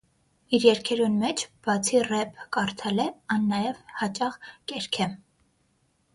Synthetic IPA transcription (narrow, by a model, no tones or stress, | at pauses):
iɾjɛɾkʰɛɾunmɛt͡ʃʰb̥ɑt͡sʰirɛpʰkɑɾt̪ʰɛlɛɑnːɑjɛvhɑt͡ʃʼɑχkɛɾkʰɛ